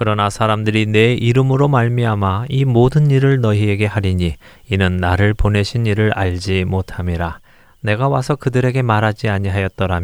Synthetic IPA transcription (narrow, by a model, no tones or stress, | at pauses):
kɯɾʌnasʰaɾamdɯɾine̞iɾɯmɯɾomaɭmiamaimodɯniɾɯɭnʌie̞ɡe̞haɾiɲi | inɯnːaɾɯɭpone̞ɕʰiniɾɯɾaɭd͡ʑimotʰamiɾa | ne̞ɡawasʰʌkɯdɯɾe̞ɡe̞maɾad͡ʑiaɲiɦajʌt̚t͈ʌɾam